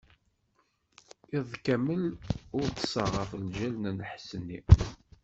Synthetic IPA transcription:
ɪðˤkæməlʊɾt̪səʁɑflʒælnænəħsənːḭ

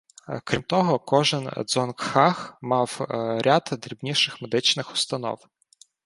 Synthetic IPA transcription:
kɾʲimt̪ɔɦɔkɔʒɪnd̪zɔnkxɑxmɑwɾʲat̪d̪ɾʲibnʲiʃɪxmed̪ɪt͡ʃnɪxʊ̥st̪ɐnɔ̰w

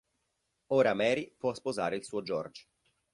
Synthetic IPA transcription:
oːɾamɛːɾipwɔspozaːɾeilsuːod͡ʒɔrd͡ʒ

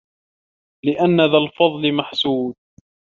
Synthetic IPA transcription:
lɪʔanːaðalfɑðˤlɪmaħsuːd̪̚

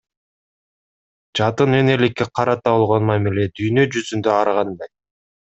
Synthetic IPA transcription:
d͡ʒɑt̪ɯnene̞likːeqʰɑɾɑt̪ɑβolˠʁo̞nmɑmiled̪yjnø̞d͡ʒyzynd̪ø̞ɑɾʁɑnd̪ɑj

